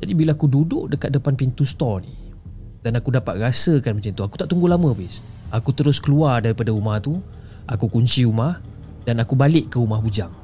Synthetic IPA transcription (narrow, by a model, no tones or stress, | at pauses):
d͡ʒadibilaakududʊʔdəkat̪̚dəpanpint̪ust̪ɔni | d̥anakudapa̰t̪̚rasəkanmət͡ʃant̪uaku̥t̪aʔt̪uŋɡulamə̃bɪs | akut̪əɾʊskəluardaɾipadaumaht̪u | ʔakukuɲt͡ʃiumah | danakubalɪʔkːəumahbud͡ʒaŋ